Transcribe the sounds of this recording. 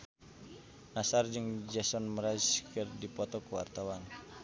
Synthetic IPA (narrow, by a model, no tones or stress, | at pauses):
nasard͡ʒɨŋd͡ʒasɔnməɾaskərdipɔt̪ɔkəwa̰rt̪awan